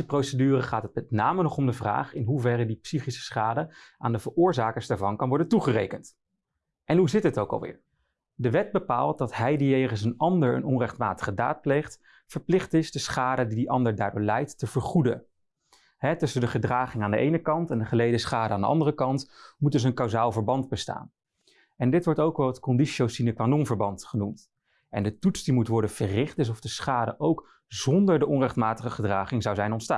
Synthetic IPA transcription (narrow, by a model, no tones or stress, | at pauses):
əprowsədyːrəχaːtɦət̚mɛtnaːmənɔχɔmdəvra̰ːχɪnɦuvɛrədipsiχisə̥sχaːdəaːndəvəɹʊːɹzaːkəɹsdaːɹvɑnkɑnʋɔɹdəntuχərḛjkənt | ʔɛnɦuzɪtɦətowkɑ̰lˠʋɪ̰ːɹ | dəʋɛt̚bəpa̰ːlˠt̚dɑtɦɛjdijejχəns̬ənɑndəɹə̰nɔnrɛχtmaːtə̥χəda̰ːt̚plejχt | fəɹplɪχtɪzdəsχaːdədidiʔɑndəɹda̰ːɹdʊ̰ːɹlɛjtːəvəɹχudə̰ | ɦɛtɵsəndəχədraːχɪŋaːndəʔejnəkɑntɛndəχəlejdəsχaːdəaːndə̰ʔɑ̰ndərəkɑntmut̚dɵs̬ənkɑwzaːlˠvəɹbɑndbəsta̰ːn | ɛndɪtʋɔɹtowkɑlˠɛtkɔndiʃowsinəkʋanɔmvəɹbɑntχənumt | ɛ̰ndətutsdimutʋɔɹdənv̥ərɪχtɪs̬ɔvdəsχaːdə̰ʔowk | zɔndəɹdəʔɔnrɛχtmaːtəχəχədraːχɪŋzɑwzɛjnɔntsta̰ː